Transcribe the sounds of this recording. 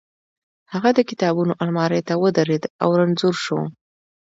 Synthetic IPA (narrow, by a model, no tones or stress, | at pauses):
haɣad̪əkɪ̥t̪ɑbunoʔalmɑɾejt̪awəd̪aɾed̪a̰wɾanzuɾʃo̰